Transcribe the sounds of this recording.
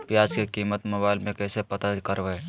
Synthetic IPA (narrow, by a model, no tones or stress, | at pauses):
pjaːd͡ʒkekiːmət̪mɐbaːɪlmẽkɛːsepɐt̪akəɾʋɛ